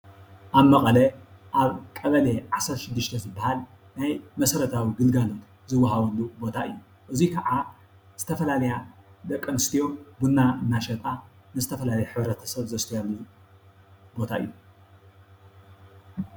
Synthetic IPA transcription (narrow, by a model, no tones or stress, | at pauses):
ʔaβmɐkʼɐlɐ | ʔaβkʼɐβɐleʕasɐɾt̪ʃɪd̪ːɨʃt̪ʰɐzɨbːahal | najmɐsɐɾɐt̪ʰawiɡɨlɡalo̞t̪ | zɨwːaɦaβulːubo̞t̪ʰaɨjːu | ʔɨzikʰɐʕa | z̥ɨt̪ʰɐfɐlalɐjad̪ɐkʼːɐnɨst̪ʰijo̞bunːaɨnːaʃɐt̪ʼa | nɨzɨt̪ʰɐfɐlalɐjħɨβɾɐt̪ʰɐ̥sɐβzɐst̪ʰojalːu | bo̞t̪ʰaɨ̰jːu